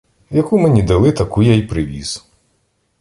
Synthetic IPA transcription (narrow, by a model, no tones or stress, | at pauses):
jaɐkumɨnʲid̪ɐlˠɪt̪ɐkujajpɾɪʋʲḭz